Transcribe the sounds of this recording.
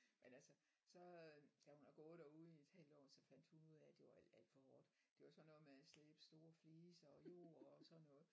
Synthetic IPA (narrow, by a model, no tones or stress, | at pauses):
menælsə | sɒ̽d̥æhunhɑɡ̥ɔ̽ːð̩ˠd̥æuð̩ˠie̝d̥hæl̰d̥ɒ̰ːsɒ̽fæn̰d̥hunuð̰ˠæd̥e̝ɑlæl̰d̥fɒ̽hɒːd̥ | d̥e̝ʋɑsɒ̽nːɔ̽ːð̩ˠmeæsleːb̥ə̥sd̥o̝ːɐfliːsɒ̽jo̝̰ːɐɒsɒ̽nːɔ̽ːð̩ˠ